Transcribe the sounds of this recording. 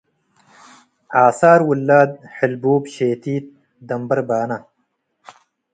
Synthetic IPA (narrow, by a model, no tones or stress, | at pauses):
aːsaːɾwulːaːd̪̚ħɪlbuːbɕeːt̪iːt̪̚ | d̪ɐmbɐɾbaːnɐ